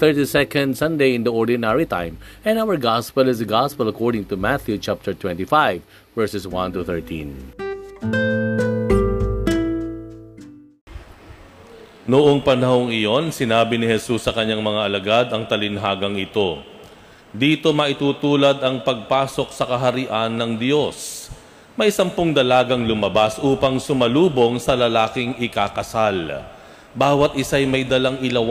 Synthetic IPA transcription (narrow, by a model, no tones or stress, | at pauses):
θɛɹt̪isɛkɐ̃nd̪sɐ̃nd̪ejɪ̃nd̪ɐoɹd̪ɪnaɹit̪ã̰jmʔɛ̃nawɐɹɡaspɛlɪsɐɡaspɛlɐkɔɹd̪ɪ̃ŋt̪umaθjut͡ʃap̚t̪ɛɹt̪wɛ̃nt̪ifajvː | ɛɹsɛswɐ̃nt̪uθɛɹt̪ʰḭ̃n | nʊʔo̞ŋpɐnɐho̞ŋɪjo̞nsɪnaːbɪnɪhɛsusːɐkɐɲːaŋmɐŋaʔɐlɐɡad̪ɐŋt̪ɐlɪnɦaːɡɐŋʔɪt̪o̞ | d̪iːt̪o̞mɐʔɪt̪uːt̪uːlɐd̪ɐŋpɐɡ̚paːso̞k̚sɐkɐɦɐɾɪʔanːɐŋd̪jo̞s | mɐjsɐmpoŋd̪ɐlaːɡɐŋlʊmɐbasʔuːpɐŋsʊmɐluːbo̞ŋsɐlɐlaːkɪŋʔɪkakɐsal | baːwɐt̪̚ʔɪsajmɐjd̪ɐlaŋʔɪlɐw